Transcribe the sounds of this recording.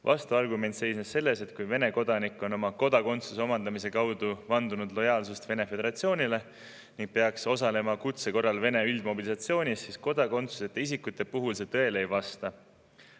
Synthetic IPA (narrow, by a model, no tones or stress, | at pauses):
vʔɑ̰st̪uɑrɡume̞nt̪se̞jsnesse̞lːe̞se̞t̪̚kujve̞ne̞ko̞d̪ɑnikːˑo̞no̞mɑko̞d̪̥ɑko̞nt̪suseo̞mɑnd̪ɑmis̬e̞kɑwd̪̥uvɑnd̪unud̪̥lo̞jɑːlsust̪ve̞ne̞fe̞d̪e̞ɾɑt̪sio̞ːnʲile̞ | niŋɡ̥̚pe̞ɑkso̞sɑle̞mɑkut̪se̞ko̞rːɑlve̞ne̞yld̪̥mo̞bilisɑt̪sio̞ːnʲisːisko̞d̪̥ɑko̞nt̪suse̞t̪ːˑeis̬ikːut̪ːˑe̞puɦulse̞t̪ɤ̞e̞lejvɑst̪ɑ